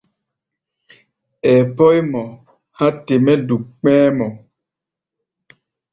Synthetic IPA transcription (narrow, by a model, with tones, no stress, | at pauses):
ɛ˨pɔ˦jmɔ˨ | ha˦te˨mɛ˦du˨kk͡pɛ̃ː˦mɔ˨